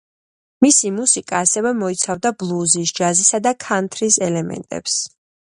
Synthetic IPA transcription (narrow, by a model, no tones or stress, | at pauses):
misimusikʼaːsɛvɛmɔit̪sʰavd̪ablˠuzisd͡ʒazisad̪akʰant̪ʰɾisɛlɛmɛ̰nt̪ʼɛ̰ps